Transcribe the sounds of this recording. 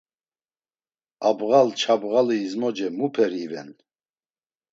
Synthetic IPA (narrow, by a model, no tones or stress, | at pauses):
abɣalt͡ʃʰabɣaliːzmɔd͡ʒɛmupʰɛɾivɛ̰n